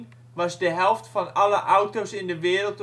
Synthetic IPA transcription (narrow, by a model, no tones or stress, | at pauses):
ʋɑsdəɦɛlˠftfɔnɑləʔawtosɪndəʋɪːəɾəlˠt